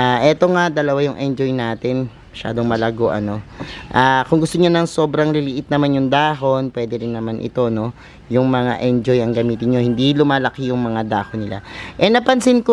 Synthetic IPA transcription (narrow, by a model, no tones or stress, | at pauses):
aʔɛt̪o̞ŋad̪ɐlɐwajʊŋʔɛnd͡ʒojnaːt̪ɪn | mɐʃa̰ːd̪oŋmɐlɐɡo̞ʔɐ̰no̞ʔaːkʊŋɡʊst̪oɲonɐŋso̞bɾɐŋlɪlɪʔɪt̪̚nɐmanjʊŋd̪aːɦo̞npwɛːd̪ɛɾɪnːɐmanʔɪ̰t̪o̞no̞ | jʊŋmɐŋa̰ʔɛnd͡ʒojɐŋɡɐmiːt̪ɪnɲohɪnd̪ilʊmaːlɐkijʊŋmɐŋad̪aːhonɪla̰ʔɛnɐpɐnsɪnko